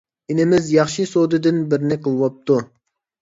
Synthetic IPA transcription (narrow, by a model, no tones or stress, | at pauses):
ɪnɪmɪzjɑχʃisod̪ɨd̪ɪnbɪɾnɪqʰəlˠwɑp̚t̪u